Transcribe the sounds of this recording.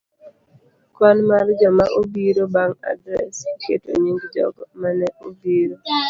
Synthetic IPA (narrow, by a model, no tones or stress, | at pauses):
kwanmard͡ʒɔmaʔobiɾobaŋa̰dɾɛsketo̰ɲiŋɡd͡ʒɔ̰ɡmanɛʔobiɾo